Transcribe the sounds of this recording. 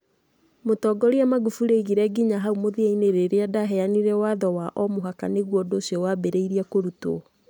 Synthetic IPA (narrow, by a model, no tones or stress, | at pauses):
motɔːɡɔɾeamaɡufuɾeiɣiɾɛɡiɲaɦaumoðiaineɾeɾeadaɦɛaniɾɛwaðɔwaʔɔmoɦakaneɣwɔdoːsjɔwabɛɾeiɾiakoɾuto̰